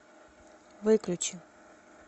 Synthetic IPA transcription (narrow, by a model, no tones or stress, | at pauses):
vɨklʲut͡ɕi